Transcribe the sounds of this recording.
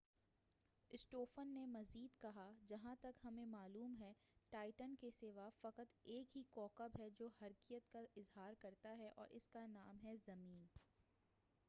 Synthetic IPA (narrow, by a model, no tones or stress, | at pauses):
ɪsʈoːfənːemɐziːd̪kɐɦad͡ʒɐɦãt̪ɐkɦɐmẽmaːluːmɦɛ | ʈaːɪʈənkeseːʋafɐqət̪eːkɦikɔːkəbɦɛd͡ʒoːhɐɾkijət̪kaɪzɦaːɾkɐɾt̪aɦɛʔɔ̰ːɾʔɪskanaːmɦɛzɐmiːn